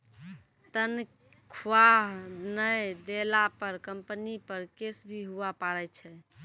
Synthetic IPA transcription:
t̪ən | kʰwaɦnəjd̪elapəɾkəmpənipəɾkesbʱiɦuapaɾɛt͡ʃʰɛ

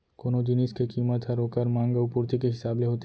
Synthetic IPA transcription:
koːnod͡ʒɪnɪskekiːmət̪ɦɐɾɦoːkəɾmãːŋɡəʋpʊɾt̪ikeɦɪsaːbleɦoːt̪

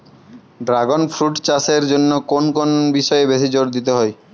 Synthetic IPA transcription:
ɖɾaɡonfʰɾuʈt͡ɕaseɾd͡ʑonːokonkonbiʃɔebeʃid͡ʑoɾd̪it̪eɦɔe

